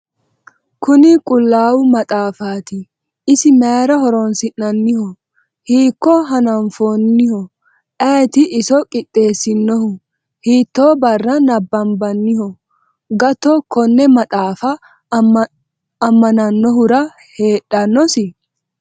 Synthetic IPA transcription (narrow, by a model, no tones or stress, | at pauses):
kʊnɪkʼʊlːaːwʊmɐt̪ʼaːfaːt̪ɪ | ɪsɪmeːɾɐhɔɾɔnsɪnɐnːɪhɔ | hiːkːɔɦɐnɐnfoːnːɪhɔ | ʔɛt̪ɪʔɪsɔkʼɪtʼːe̞ːsːɪnːɔhʊ | hiːt̪ːoːbɐrːɐnɐbːɐmbɐnːɪhɔ | ɡɐt̪ɔkɔnːɛmɐt̪ʼaːfɐ | ɐmːɐnɐnːɔɦʊɾɐ | heːᶑɐnːɔsɪ